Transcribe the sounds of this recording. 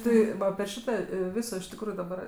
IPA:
ˈtʲɪ ʋɐ ɐpʲɪ ˈʃʲɪtɐ ˈʋʲɪsoː ɪʃ tʲɪkˈruːjʊ dɐˈbɐr

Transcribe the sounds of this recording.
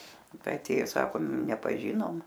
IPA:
ˈtɐɪ ɐˈtʲeːjoː ˈsɑːkoːm nʲɛpɐˈʒʲɪnoːm

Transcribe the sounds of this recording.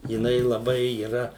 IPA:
jɪˈnɐɪ lˠɐˈbɐɪ iːˈrɐ

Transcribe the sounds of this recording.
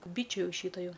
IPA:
ˈbʲiːt͡ʃʲʊ ˈjɛʊ ˈʃʲiːtoː ˈjɛʊ

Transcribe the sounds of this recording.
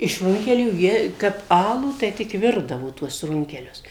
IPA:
ɪʃ ˈrʊŋʲkʲɛlʲuː ˈjiɛ kɐp ˈɑːlˠuː tɐɪ ˈtʲɪk ˈʋʲɪrdɐʋoː tuɔs ˈrʊŋʲkʲɛlʲʊs

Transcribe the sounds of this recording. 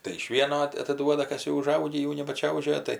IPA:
tɐɪ ɪʃ ˈʋʲiɛnoː ɐt ɐtɐˈduɔdɐ ˈkɐs jɛʊ ʊˈʒɐʊɡʲiː ˈjɛʊ nʲɛbɐˈt͡ʃʲɛʊʒʲoːjɛ ˈtɐɪ

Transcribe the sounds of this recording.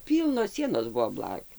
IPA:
ˈpʲiːlˠnoːs ˈsʲiɛnoːs ˈbʊʋoː ˈblˠɑːkʲuː

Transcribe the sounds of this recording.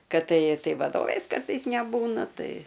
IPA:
ˈkɐt ˈtɐɪ ˈtɐɪ ʋɐˈdoːʋʲeːs ˈkɐrtɐɪs nʲɛˈbuːnɐ ˈtɐɪ

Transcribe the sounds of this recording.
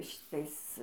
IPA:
ʃʲɪˈtɐɪs

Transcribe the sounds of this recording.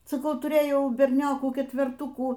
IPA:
sɐˈkɐʊ tʊˈrʲeːjɛʊ bʲɛrʲˈnʲoːkuː kʲɛtʲʋʲɛrˈtʊkuː

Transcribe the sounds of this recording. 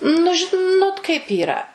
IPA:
nʊ ʒʲɪˈnoːt kɐɪp ˈiːrɐ

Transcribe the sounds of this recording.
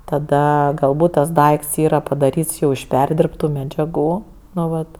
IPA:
tɐˈdɐ ɡɐlˠˈbuːt tɐs ˈdɐɪkts ˈiːrɐ pɐdɐˈrʲiːts ˈjɛʊ ɪʃ ˈpʲɛrʲdʲɪrptʊ mʲɛd͡ʒʲɛˈɡuː ˈnʊ ˈʋɐt

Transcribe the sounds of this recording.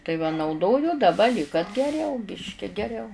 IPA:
tɐɪ ʋɐ nɐʊˈdoːjʊ dɐˈbɐ lʲiːk kɐt ɡʲɛˈrʲɛʊ ˈbʲɪʃʲkʲɪ ɡʲɛˈrʲɛʊ

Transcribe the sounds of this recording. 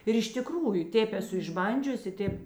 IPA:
ɪr ɪʃ tʲɪˈkruːjʊ ˈtʲeːp ɛˈsʊ ɪʒˈbɐnʲd͡ʒʲʊsʲɪ ˈtʲeːp

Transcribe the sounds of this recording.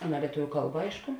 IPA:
ˈɑːˌnɐ lʲiɛˈtʊʋʲʊ ˈkɐlˠbɐ ˈɐɪʃkʊ

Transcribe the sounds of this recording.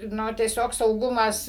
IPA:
ˈnʊ tʲiɛˈsʲoːk sɐʊˈɡʊmɐs

